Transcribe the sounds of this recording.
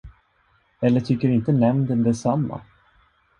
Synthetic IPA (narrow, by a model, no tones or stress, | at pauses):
ɛlːəʈʰʏkːəɾɪnt̪ənɛmnd̪ənd̪ɛsamːa̰